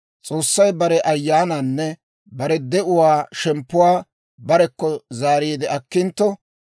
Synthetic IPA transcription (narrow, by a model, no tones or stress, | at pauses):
t͡sʼoːsːɐjbɐɾɛʔɐjːaːnanːɛ | bɐɾɛd̪ɛʔʊwaːʃɛmpːʊwaː | bɐɾɛkːɔzaːɾiːd̪ɪʔɐkːɪnt̪ːɔ